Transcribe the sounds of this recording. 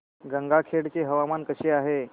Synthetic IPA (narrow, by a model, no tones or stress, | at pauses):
ɡəŋɡakʰeɽt͡ɕeɦəʋamankəɕeaɦe